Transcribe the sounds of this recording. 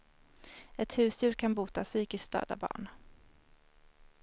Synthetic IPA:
ɛt̪hʉ̟ːsjʉ̟ːɾkʰanbuːt̪asyːkɪskst̪œ̰ːd̪a̰bɑ̰ːɳ

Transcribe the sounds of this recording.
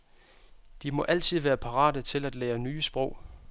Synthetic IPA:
d̥imɒ̽ʔæl̰t͡sʰið̞̰ˠʋæːɐpʰɑ̈ʁɑ̰̈ːdət͡sʰe̝læd̥leːɐnyːəsb̥ʁɔʊ̰

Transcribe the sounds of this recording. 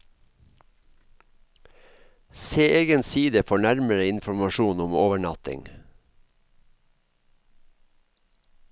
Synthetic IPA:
seːʔeːɡənsiːd̪əfɔɳæɾməɾəɪnfɔmɑʃuːnʊmoːʋəɳɑt̪ɪ̰ŋ

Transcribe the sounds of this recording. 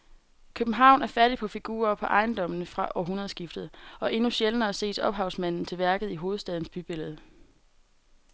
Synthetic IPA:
kʰøb̥n̩ɦɑ̈ʊ̰næɐfæɐɾ̥ipʰɒ̽fiɡ̥ṵːɐpʰɒ̽ʔɑ̈ɪnd̥ɒ̽m̰nəfʁɑ̈ʔɒ̰ɦunɐð̞̩ˠsɡ̥ifd̥ð̩ˠɒ̽ʔe̝nuɕelənɐːse̝̰ːd̥ɒ̽b̥ɦɑ̈ʊsmæn̰n̩t͡sʰe̝lʋæɐɡ̥ð̩ˠiɦo̝ːð̞̩ˠsd̥ɛð̞ˠn̩sb̥yb̥e̝ləð̞̩ˠ

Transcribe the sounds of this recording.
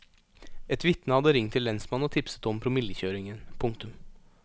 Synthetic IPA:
ɛt̪ʋɪt̪nəhɑd̪əɾɪŋt̪ʰɪlːɛnsmɑnɔt̪ʰɪpsə̥t̪ɔmpʰɾʊmɪləçøːɾɪŋənpʰʊŋkt̪ʉm

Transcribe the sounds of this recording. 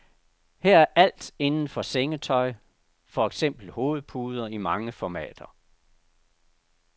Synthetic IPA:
hɛɐ̰æɐʔæl̰d̥e̝nn̩fɒ̽seŋət͡sʰɒ̽ɪ | fɒeɡ̥sem̰b̥l̩ho̝ːð̞̩ˠpʰuːð̞ˠɐimɑ̈ŋəfɒmɛ̰ːd̥ɐ

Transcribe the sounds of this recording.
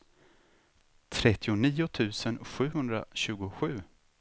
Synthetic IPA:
t̪ʰɾɛt̪ʰːɪʊniːʊt̪ʰʉ̟ːsənɧʉ̟ːɦɵnd̪ɾa̰ɕʉ̟ːɡʊɧʉ̟ː

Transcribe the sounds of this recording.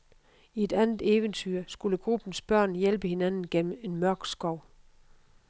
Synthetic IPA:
ie̝d̥ænð̩ˠeːʋənt͡sʰyɐsɡ̥uləɡ̥ʁub̥n̩sb̥ɶɐ̰njelb̥əhe̝nænn̩ɡ̥en̰m̩e̝nmɶɐɡ̥sɡ̥ɒʊ̰

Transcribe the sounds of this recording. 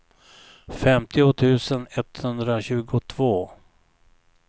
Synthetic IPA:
fɛmt̪ɪʊt̪ʰʉ̟ːsənɛt̪hɵnd̪ɾaɕʉ̟ːɡʊt̪ʰvoː

